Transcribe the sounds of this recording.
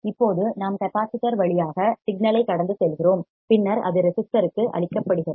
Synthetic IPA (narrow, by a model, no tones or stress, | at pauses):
ɪpːoːðɯnaːmkɐpaːsɪʈːɐɾʋɐɭɪjaːɣɐsɪɡnɐlɐɪkːɐɽɐnd̪ɯsɛlɣɪroːm | pɪnːɐɾɐ̰ðɯɾɛsɪst̪ɐɾɯkːɯʔɐ̰ɭɪkːɐpːɐɽɯɣɪrɐ